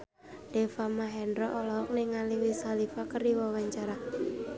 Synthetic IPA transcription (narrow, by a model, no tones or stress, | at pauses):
d̥ɛfamaɦɛndɾɔʔɔlɔɦɔk̚nɪŋaliwisalifakəɾiwɔwaɲt͡ʃaɾa